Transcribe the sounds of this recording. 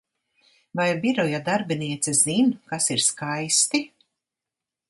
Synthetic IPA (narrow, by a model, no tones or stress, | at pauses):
vajbiɾɔjad̪aɾbiniɛt̪sɛz̥inkasiɾskajst̪i